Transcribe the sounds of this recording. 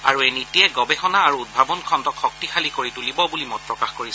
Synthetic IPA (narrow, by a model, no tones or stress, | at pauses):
a̰ɹuejnitiɛɡɔbɛxɔnaːɹuud̚bʱabɔnkʰɔndɔkʰxɔk̚tixalikoɹitulibɔbulimɔt̚pɹɔkaxkoɹis